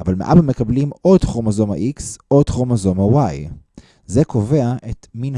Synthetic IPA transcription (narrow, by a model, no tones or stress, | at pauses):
avalmḛʔabame̞kablimʔo̞dχomazo̞ma̰ʔiksʔod̥χomazomawaj | ze̞ko̞ve̞aʔe̞tmin